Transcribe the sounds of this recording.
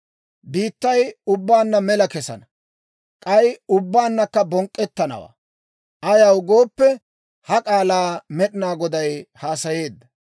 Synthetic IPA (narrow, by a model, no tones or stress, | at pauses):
biːt̪ːɐjʊbːaːnːɐmɛlɐkɛsɐ̰nɐ | kʼɐjʊbːaːnːɐkːɐbɔŋkʼːɛt̪ːɐnɐ̰wa̰ː | ʔɐjɐwʊɡo̞ːpːɛ | hɐkʼaːlaːmɛɗɪnaːɡɔd̪ɐjhaːsɐje̞ːd̪ːɐ̥